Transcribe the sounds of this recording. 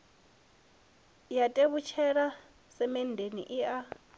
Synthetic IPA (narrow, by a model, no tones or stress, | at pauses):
jatʼeβut͡ʃʰɛɺa | sɛmɛn̩dʱenḭʔia